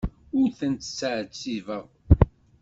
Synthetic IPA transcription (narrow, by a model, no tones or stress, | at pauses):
ʊθənt̪ə̥səʕt͡sːivəʁ